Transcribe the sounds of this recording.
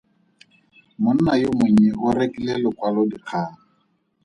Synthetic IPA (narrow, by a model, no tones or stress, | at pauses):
mʊn̩najomʊɲ̩ɪɣʊrekilɛlɔkwalɔdiq͡χʰaːŋa